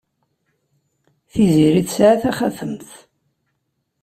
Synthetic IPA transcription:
θiziɾiθsʕaθæχaθəmθ

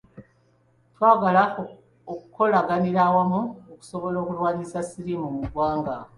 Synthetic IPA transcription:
twaːɡala | oku̥ko̞laɡaniɾawamuoku̥so̞βo̞lo̞ːkulwaːɲizasiɾimumuɡwaːŋɡa

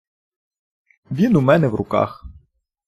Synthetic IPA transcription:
ʋʲinumɛnɛʋrʊ̰kɑ̰x

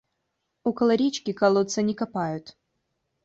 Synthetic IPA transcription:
ukɐlˠɐɾʲit͡ɕkʲikɐlˠot̪sɐnʲɪkɐpajʊt̪

